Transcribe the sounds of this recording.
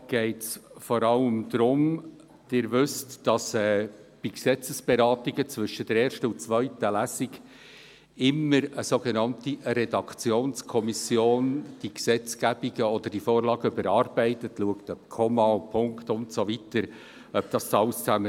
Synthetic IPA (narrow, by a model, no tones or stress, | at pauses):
ɡ̥ɛɪtsfɔɾɑləmd̪ɾʊm | d̥ɪːɾvʏstd̥ɑsɛːb̥iksɛt͡səsb̥eɾɑːtiɡət͡svʏʃəd̥əɾeːɾʃtəʊnt͡sʋœʏtəlæsɪɡ | ɪməɾəsoɡenɑntiɾɛdɑkt͡sjoːnskʰɔmisjoːnd̥iksɛt͡sɡ̥æbiɡəɔd̥̪əɾd̥ifoːɾlɑːɡəʏbəɾɑːɾbɛɪtətluəktœp̚kʰɔmɑpʰʊŋktʊntsovitəɾ | œb̚d̥ɑstɑlst͡sæmə